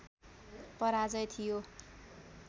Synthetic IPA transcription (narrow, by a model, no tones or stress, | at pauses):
pʌɾad͡zʌjt̪ʰijo